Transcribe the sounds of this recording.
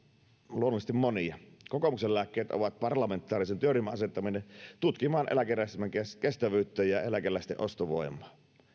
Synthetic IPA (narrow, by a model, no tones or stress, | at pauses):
luonuˑist̪immoniɑkokomuksellæːkːeːt̪ʔo̰ʋɑt̪̚pɑrlɑment̪ːˑɑːrisent̪ørimːæʔɑset̪ːɑminent̪ut̪kimˑɑːnʔḛlækeræˑst̪mækeskest̪æʋyːt̪ːeːjjɑelækelːˑæˑist̪ḛʔost̪oʋo̰imˑɑ̥ː